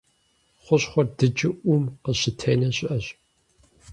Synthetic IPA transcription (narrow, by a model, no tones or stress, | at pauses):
χʷʊɕχʷɔrdɨd͡ʒɪʔʷʊmqəɕɪtʰeːnɐɕʼɪʔɐɕ